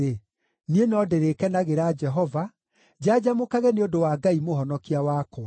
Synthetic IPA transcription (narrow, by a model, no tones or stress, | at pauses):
e | nienɔdeɾekɛnaɣeɾaːd͡ʒɛɦɔva | d͡ʑad͡ʑamokaɣɛneondowaːɡaimoɦɔnɔkiawaːkɔ